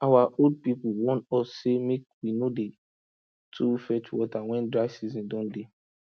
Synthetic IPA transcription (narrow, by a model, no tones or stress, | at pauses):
awaʔold̚pipuwɔ̃ntɔsːemek̚winode | tʰufɛt͡ʃwɔtawɛ̃ndɹaɪsizĩndɔ̃nde